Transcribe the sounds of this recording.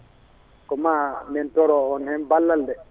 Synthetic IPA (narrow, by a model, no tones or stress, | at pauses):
kɔmamɛntɔɾɔɔnhɛnbalːaldɛ